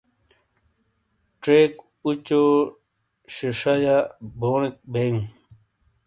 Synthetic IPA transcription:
ʈ͡ʂeːk | ut͡ɕo | ɕiʂajaboːnik̚beũ

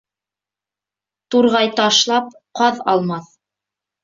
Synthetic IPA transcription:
t̪uɾʁɑjt̪ɑʃlˠɑp | qɑðɑlˠmɑθ

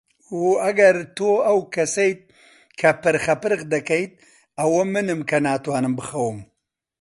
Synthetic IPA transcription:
uɐɡɐɾt̪oɐwkɐsɐjt̪̚ | kʰɐpɨɾxɐpɨɾɣd̪ɐkɐjt̪̚ | ɐwɐmɨnɨmkʰɐnaːt̪waːnɨmbɨxɐwɨm

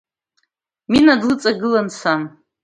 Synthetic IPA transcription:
minadlɨt͡sʼaɡɨlansam

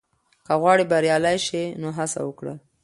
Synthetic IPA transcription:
kəɣwɑɽibaɾjɑlajʃinoɦasa̰wəkɽə̰

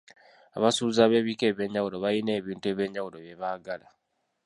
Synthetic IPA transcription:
aβasuːzaːβe̞ːβike̞ːβjeɲːawulo̞βajine̞ːβiːntue̞ːβje̞ɲːawuloβje̞βaːɡala

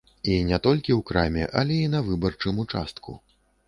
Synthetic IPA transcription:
inʲɛt̪ɔlʲkʲiwkɾamʲɛ̰ʔɐ̰lʲɛinɐvɨbɐrt͡ʂɨmut͡ʂast̪kʰṵ

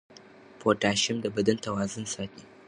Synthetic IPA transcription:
poːtaːʃɪmdabɐdɪntɐwaːzɐnsaːkʲeː

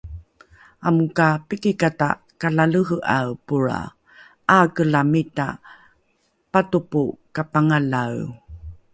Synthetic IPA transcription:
amukapikikata̰ | kalaləɦəʔawpuɾa̰ | ʔakəlamita̰ | patupukapaŋalaw

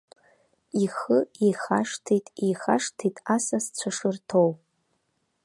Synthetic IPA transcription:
iχəijχaʂtʰejtʼijχaʂtʰejtʼasast͡ɕʷʰaʂɨrtʰow

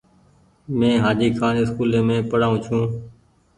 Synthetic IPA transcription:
mẽːɦaːd͡ʒiːkʰaːnɪskuːlẽːmẽːpəɽaːũːt͡ʃʰũː

